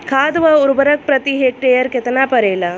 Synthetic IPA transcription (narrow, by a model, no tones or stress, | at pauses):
kʰaːd̪ʋɐʊɾubɐɾɐk̚pɾɐt̪iɦeːk̚ʈeːjɐɾket̪ɐnaːpɐɾeːlɐ